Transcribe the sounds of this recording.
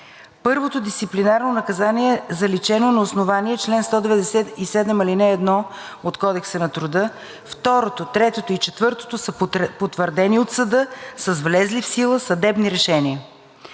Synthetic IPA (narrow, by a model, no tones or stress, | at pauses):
pɤɾvot̪od̪ist̪siplinaɾnonɐkɐzaniɛzɐlit͡ʃɛnonɐʊsnovaniɛt͡ʃlɛnst̪ɔd̪ɛvɛd̪ɛsɛt̪isɛd̪ɛmilinɛːd̪nɔ | ot̪kɔd̪ɛksənɐt̪ɾʊd̪ɤ | ft̪ɔɾot̪ot̪ɾɛt̪ot̪oit͡ʃɛt̪vɤɾt̪o̥t̪osəpot̪vəɾd̪ɛniot̪səd̪ɤsəzvlɛzlifsilˠəsɐd̪ɛbniɾɛʃɛniə